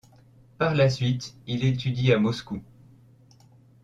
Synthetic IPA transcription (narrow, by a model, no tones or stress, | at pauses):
paʁlasɥit̪ilet̪yd̪iamɔsku